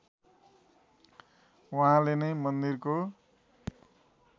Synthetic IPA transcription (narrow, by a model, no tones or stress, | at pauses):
waɦãlenʌjmʌnd̪irko